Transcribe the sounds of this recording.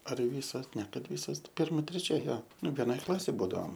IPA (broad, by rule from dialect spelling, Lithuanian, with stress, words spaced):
ɐr ˈʋʲiːsoːs nʲɛ ˈkɐt ˈʋʲiːsoːs ˈpʲɪrmɐ tʲrʲɛˈt͡ʃʲɛ ˈjoː ˈnʊ ʋʲɛˈnoːj ˈklˠɑːsʲeːj ˈbuːdɐoːm